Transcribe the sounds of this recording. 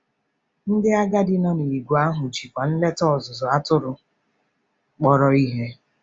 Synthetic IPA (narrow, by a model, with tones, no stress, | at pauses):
n̩˦dɪ˦a˦ɡa˦dɪ˦nɔ˦ni˨i˨ɡʷu˨a˦ɦʊ˨t͡ʃi˨kʷa˨n̩˦le˦tɔ˦˨zʊ˨zɔ˨a˦tʊ˦ɾʊ˨ | k͡pɔ˦ɾɔ˨i˦ɦe˦